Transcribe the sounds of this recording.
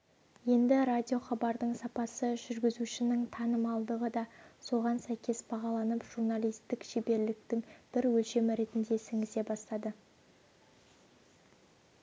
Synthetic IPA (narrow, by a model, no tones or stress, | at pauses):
je̞nd̪ɪɾadʲijo̞χɑbɑɾd̪əɴsɑpɑsəʒʏɾɡʲɪzuʃɪnɪŋt̪ʰɑnəmɑlˠd̪əʁəd̪ɑso̞ʁɑnsæjkʲe̞sbɑʁɑlˠɑnəpʒ̥urnalʲijst̪ɪkʃebe̞ɾlɪkt̪ɪŋb̥ɪɾwɵlʃe̞mɪɾe̞t̪ɪnd̪e̞sɪŋɪse̞bɑst̪ɑd̪ə